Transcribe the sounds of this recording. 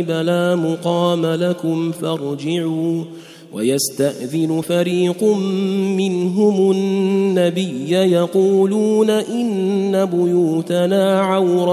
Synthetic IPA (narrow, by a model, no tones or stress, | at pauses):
ɪbalaːmʊqɑːmalakʊmfɑɾˤd͡ʒɪʕuː | wa̰jast̪aʔðɪnʊfaɾiːqʊmːɪnɦʊmʊː | abɪjːajɑquːluːnaʔɪnːabʊjuːt̪anaːʕawɾ